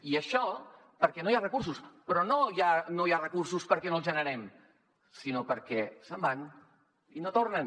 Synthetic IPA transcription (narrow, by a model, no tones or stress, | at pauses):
iəʃɔ | pəɾkɛnojarəkurs̬uspɾɔnojanojarəkuɾsuspəɾkɛnoəlˠzʒənəɾɛm | sinopəɾkɛsəmban | inot̪oɾnən